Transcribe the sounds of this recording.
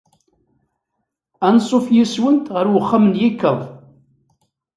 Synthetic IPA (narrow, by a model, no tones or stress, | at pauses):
ænsˤofjiswənt̪ʁəɾwəχːamnjikːəðˤ